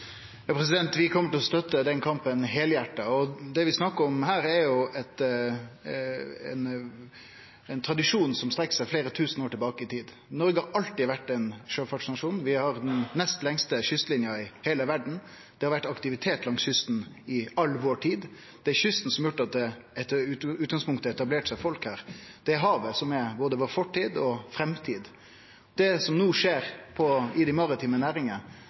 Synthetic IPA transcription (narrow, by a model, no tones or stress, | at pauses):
jɑːpʰɾɛs̬ɪd̪ɛnt̪ʋɪkʰɔmːəʈʰɪlɔst̪œt̪ːəd̪ɛnkʰɑmpənɦeːljæʈːəɔd̪ɛʋɪsnɑkːəɔmhæːɾɛɾjʊɛt̪ | ɛ̰n | ɛɪnt̪ʰɾɑd̪ɪʂuːnsɔmst̪ɾɛkːə̥sæɪfleːɾət̪ʰʉːsənoːʈʰɪlbɑːkəɪt̪ʰiːd̪ | nɔɾɡəhɑɾɑlt̪ɪʋæʈːɛnʂøːfɑʂɪnɑʂuːnʋɪhɑɾd̪ɛnːɛst̪lɛŋst̪əɕʏst̪lɪnjɑɪheːləʋæɖɳ̩ | d̪̥ɛhɑɾʋæʈːɑkt̪ɪʋɪt̪ʰeːt̪lɑŋsçʏst̪n | ɪɑlːʋoːʈʰiːd̪ | d̪̥ɛæɾçʏst̪n̩sɔmjʊʈːɑt̪̚d̪ɛ | ʉːt̪̚ɡɑŋspʊŋkt̪əɛt̪ɑbleːʈsæɪfɔlkhæːɾd̪̥ɛæɾɦɑːʋəsɔmɛboːd̪əʋoːɾfɔʈʰːiːd̪ɔfɾɛmt̪ʰiːd̪ | d̪̥ɛsɔmnuːʂeːɾpʰɔɪd̪æmɑɾɑt̪ʰiːmənæːɾɪŋən